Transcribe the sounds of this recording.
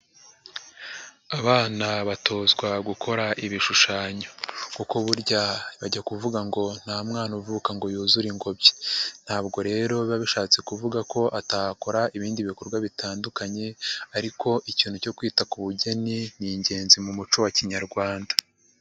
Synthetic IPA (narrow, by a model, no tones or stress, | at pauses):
aβaːnaβatʰo̞ːzɡwaɡukʰo̞ɾaʔiβiʃuʃaːɲo̞kukoβuɾɟaβaɟakuvuɡaŋɡo̞n̥amŋaːnuvukaŋɡo̞juːzuɾiŋɡo̞bje̥n̥haːbɡo̞ɾe̞ːɾo̞ββaβiʃaːt͡se̞kuvuɡakʰo̞ʔatako̞ɾaiβiːndiβiko̞ɾɡwaβitaːndukaɲe̞aɾiko̞ʔiciːn̥huco̞kwiːtakuβuɟe̞niniɲɟe̞ːnzimumut͡ʃowaciɲaɾɡwaːnda